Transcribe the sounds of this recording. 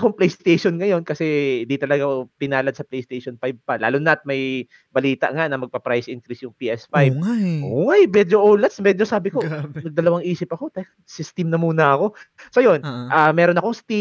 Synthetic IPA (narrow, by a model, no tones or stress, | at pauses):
koŋplɛjst̪ejʃonŋɐjo̞nkɐsɛɪnd̪it̪ɐlɐɡapɪnaːlɐd̪sɐplɛjst̪ejʃonpajb̚pɐla̰ːlʊnɐt̪̚mɐj | bɐliːt̪ɐ̰ʔŋanɐmɐɡ̚pɐpɾajsʔɪnkɾɪsjʊŋpiːʔɛsfajbaʔoːŋajmɛːd͡ʒoʔoːlɛt̪smɛd͡ʒosaːbɪkonɐɡ̚d̪ɐlɐwaŋʔiːsɪpɐko̞t̪akɐsɪst̪ɪmnɐmuːnɐɐko̞sɐjo̞nʔaːmɛːɾonɐkoŋst̪i